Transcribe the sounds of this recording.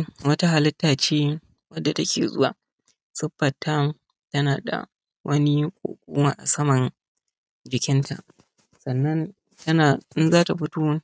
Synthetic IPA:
wɐ˦ta˦ɦa˨lɪ˦tːaː˨t͡ʃeː˦ | wɐ˦dːa˨tɐ˦kʲḛː˨zʊ̰˦waː˨ | sʊ˦ɸːɐ˨tʰːa˦ | tɐ˦naː˨da̰˨ | wʔɐ˦ni˦kʷʼo̰ː˨kʷʼuː˦maː˨ʔa̰˨sɐ˦mɐ˨n | d͡ʒɪ˨kʲɪ˦ntʰa̰˨ʔ | sɐ˨nːɐ˦n | tɐ˦naː˨ʔɪ˦nzaː˦ta˨ɸʊ˦toː˦

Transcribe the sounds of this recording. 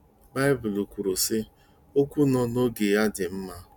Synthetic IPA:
ba˦ɪ˦bʊ˨lu˨kʷu˨ɾu˨sɪ˦ | o˦kʷu˦nɔ˦no˦ɡe˨a˦dɪ˨m̩˦ma˦

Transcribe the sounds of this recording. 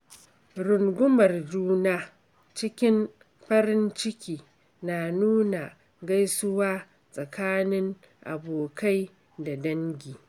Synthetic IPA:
ɾʊ˨ŋɡʷʊ˦mɐ˨rd͡ʒuː˦naː˦ | t͡ʃɪ˦kʲɪ˦m | ɸɐ˦ɾɪ˦nt͡ʃɪ˦kʲiː˨ | na˨nuː˦na˨ | ɡa˦jsʊ˦waː˦ | sʼɐ˨kʰaː˦nɪ˦ŋ | ʔa̰˨boː˨kʰa˦j | da˨dɐ˦ŋɡʲiː˨

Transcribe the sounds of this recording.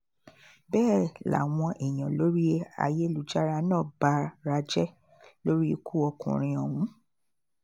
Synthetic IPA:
bɛː˦˨la̰˨w̃ɔ̃˧ʔe˨j̃ã˨lo˨˦ɾi˦a̰˧je˦lu˨d͡ʒa˦ɾa˧nãː˦˨ba˨˧ɾa˧d͡ʒɛ˦ | lo˦ɾi˦˧˦kʰu˦ɔ˧kṵ̃˨ɾ̃ĩ˧ɔ˨wũ˨˦

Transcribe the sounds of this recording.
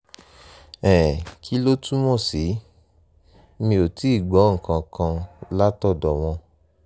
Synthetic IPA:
ɛ̃˨kʰi˦lo˦tu˦mɔ̃˦˨si˨˦ | mĩ˧o˨ti˨˦i˦˨ɡ͡bɔ˨˦ŋ̩˨kã˨kã˧la˦tɔ˦˨dɔ˨w̃ɔ̃˧

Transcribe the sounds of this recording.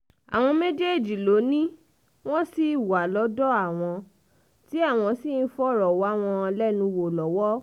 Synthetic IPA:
a̰˨w̃ɔ̃˧me˦d͡ʒe˦˨d͡ʒi˨lo˨˦nĩ˦ | w̃ɔ̃˦si˦˨wa˨lɔ˨˦dɔ˦a˦˨w̃ɔ̃˧ | ti˨˦a˦˨w̃ɔ̃˧si˦˨n̩˦fɔ˦ɾɔ˨wɔ˨˦w̃ɔ̃˧lɛ˦nũ˧wo˨lɔ˨˦wɔ˦

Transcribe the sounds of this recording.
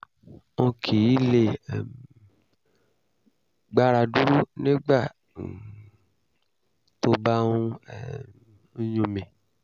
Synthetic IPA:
õ˧kʰi˨ji˦le˨ | ɡ͡ba˧ɾa˧du˦ɾu˦nĩ˦ɡ͡ba˦˨ | to˦ba˦nũ˦˨˦ | ɲũ˨˧mẽ˨

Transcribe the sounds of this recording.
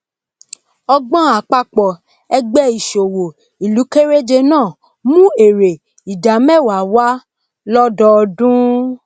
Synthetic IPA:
ɔ˧ɡ͡bɔ̃˦a˨k͡pa˦k͡pɔ˨ | ɛ˧ɡ͡bɛ˦i˨ʃo˨wo˨ | i˨lu˨˦ke˦ɾe˦d͡ʒe˧nãː˦˨ | mũ˦e˨ɾe˨ | i˨da˨˦mɛ˦˨wa˨wa˦ | lɔ˦dɔ˧dũ˦

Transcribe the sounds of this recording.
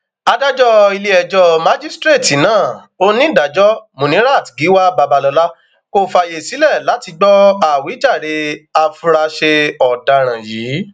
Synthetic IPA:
a˧da˦d͡ʒɔ˦i˧le˧ɛ˨d͡ʒɔ˧mã˦d͡ʒi˦stɾe˦˨ti˨nãː˦˨ | o˦nĩ˦˨da˨d͡ʒɔ˦mõ˨nĩ˨˦ɾa˦˨ti˨ɡi˨˦wa˦ba˧ba˧lɔ˧la˦ | ko˦fa˧˨je˨si˨˦lɛ˦˨la˨˦ti˧ɡ͡bɔ˦a˨wi˨˦d͡ʒa˦˨ɾe˧a˧fũ˧ɾa˧ʃe˧ɔ˨da˨ɾ̃ã˨jiː˨˦

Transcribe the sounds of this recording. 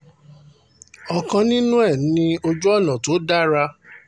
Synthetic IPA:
ɔ˨kã˧nĩ˦nũ˦ɛ˦˨nĩ˧o˧d͡ʒu˦ɔ˦˨nã˨to˨˦da˦ɾa˧

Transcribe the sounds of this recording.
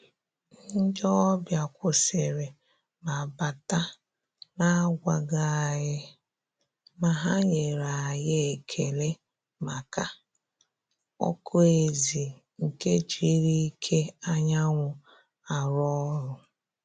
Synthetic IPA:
n̩˦d͡ʒɔ˦bja˨kʷʊ˨se˨ɾe˨ | ma˨ba˨ta˦ | na˦ɡʷa˨ɡa˨ɣɪ˦ | ma˨ɦa˦ɲe˨ɾa˨a˨jɪ˦˨kʰe˨le˦ | ma˨ka˨ | ɔ̰˦kʰo˦e˨zi˨ | ŋ̩˨ke˦t͡ʃi˦˨˦ɾi˦i˦kʰe˦a˦ɲa˦ŋʷʊ˨ | a˨ɾɔ˦ɾʊ˨

